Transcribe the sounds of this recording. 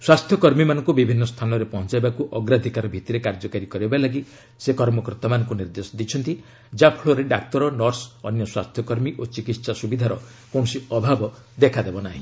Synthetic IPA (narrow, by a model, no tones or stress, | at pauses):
swast̪ʰjɔkɔɾmimanɔŋkubibʱinːɔst̪ʰanɔɾepɔɦɔnt͡ʃajbakuʔɔɡɾad̪ʱikaɾɔbʱit̪iɾekaɾd͡ʒɔkaɾikɔɾibbalaɡi | sekɔɾmɔkɔɾt̪amanɔ̃ŋkuniɾd̪esɔd̪it͡ʃʰɔnt̪i | d͡ʒapʰɭoɾeɖaktɔɾɔnɔɾsɔnjɔswast̪ʰjɔkɔɾmiʔot͡ʃikit̪sasubid̪ʱaɾɔ | kõɔsiɔbʱabɔ | d̪ekʰad̪ebɔnaɦḭ̃